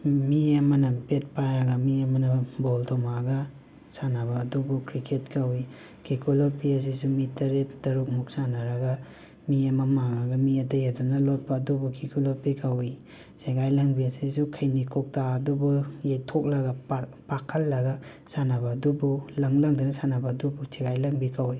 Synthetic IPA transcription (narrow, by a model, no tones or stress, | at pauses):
miɐmɐnɐbet̚paɾɐɡamiɐmɐnɐbɔltʰɔmaɡa | sanabɐːdubukɾikʰetkʰawi | kʰikʰolopiɐs̬isumitɐɾet̚dɐɾuk̚muk̚sanaɾɐɡa | miamɐmaŋaɡɐmiɐtɐjadunɐlot̚pɐːdubukʰikuloɾpikʰawi | seɡajlɐŋbiɐsisukʰɐjnikʰɔk̚taɐdubujejtʰok̚lɐɡapakʰɐlːɐɡa | sanabaːdubulɐŋlɐŋdinɐsanabɐːdubusʰeɡajlɐŋbikʰawi